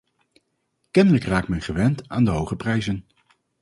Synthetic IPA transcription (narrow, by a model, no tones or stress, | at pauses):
kɛndələkraːk̚tmɛnχəʋɛntaːndəɦowχəprɛjzən